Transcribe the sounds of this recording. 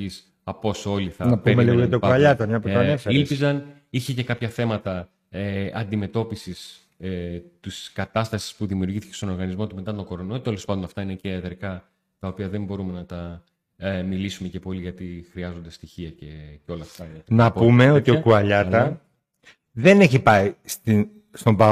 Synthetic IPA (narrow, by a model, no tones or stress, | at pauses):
is | ɐpo̞so̞liθɐnɐpemeiɣoet̪eopɐʎɐt̪ɐmɲɐpoɐefeilizɐn | içece̞kɐpçɐθe̞mɐt̪ɐ | eɐnd̪ime̞t̪o̞pisis | t̪iskɐt̪ɐst̪ɐsi̥spuðimiuɾʝiθice̞st̪o̞noɾɣɐnizmo̞t̪ume̞t̪ɐt̪oko̞ɾonoot̪e̞lo̞spɐnd̪onɐft̪ɐine̞ceɐðɾikɐ | t̪ɐopiɐðe̞mbo̞ɾume̞nɐt̪ɐ | milisume̞ce̞po̞liʝɐt̪ixɾiɐzo̞nd̪e̞st̪içiɐceceo̞lɐft̪ɐɐt̪inɐpume̞o̞t̪iokuɐʎɐt̪ɐ | ðeneçipɐist̪i | st̪ombɐ